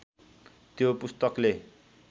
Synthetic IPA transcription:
t̪jopust̪ʌkle

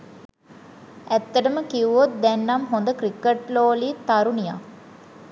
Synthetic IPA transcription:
æt̪ːəʈəməkiuʋot̪̚d̪ɛnːamɦond̪əkrikːəʈloːliːt̪aɾunija̰

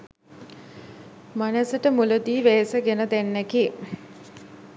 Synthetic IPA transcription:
manæsəʈəmuləd̪iːʋeːsəɡenəd̪ænːæki

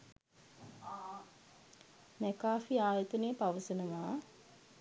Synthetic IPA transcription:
mɛkaːfiaːjət̪ənejəpaʋəsənəʋaː

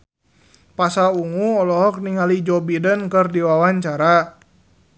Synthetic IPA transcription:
pasauŋuɔlɔɦɔk̚niŋalid͡ʒɔbidənkərdiwawaɲt͡ʃaɾa

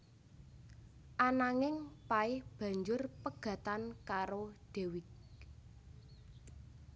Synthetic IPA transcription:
ʔanaŋɪŋpaɪhb̥ä̤ɲd͡ʒʊrpəɡ̥ä̤t̪ankaɾod̪̥e̤wɪk̚

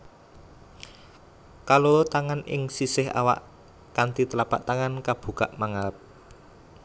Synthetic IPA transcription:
kalot̪aŋanɪ̰ŋsisɪɦa̰wa̰ʔ | kant̪it̪əlapa̰ʔt̪aŋankab̥ṳkaʔmaŋalp̚

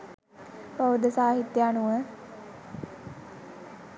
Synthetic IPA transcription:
pəʋəd̪əsaːɦit̪jəanuʋə

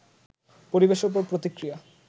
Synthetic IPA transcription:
poɾibeʃoɾpɔɾpɾot̪ikɾija

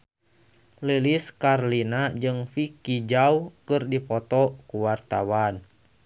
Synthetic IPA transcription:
liliskarlinad͡ʒɨŋfikid͡ʒaukɨrdipɔt̪ɔkuwart̪awan

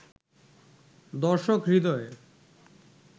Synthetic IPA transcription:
d̪ɔɾʃokɾid̪ɔe

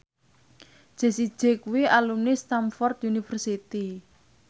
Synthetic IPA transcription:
ʒ̥e̤sid̥ʒ̥e̤kuwiʔalumnist̪amfɔrt̪unifərsit̪i

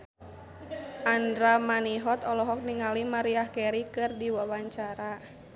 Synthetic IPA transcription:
andɾamaniɦɔt̪ɔlɔɦɔk̚niŋalimaɾiahkɛɾikɨrdiwawaɲt͡ʃaɾa

